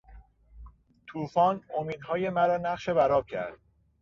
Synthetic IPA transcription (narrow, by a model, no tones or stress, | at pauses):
t̪ʰuːfɒːno̞miːd̪ɦɒːje̞mæɾɒːnæʁʃebæɾɒːb̚cʰæ̰ɾd̪̥̚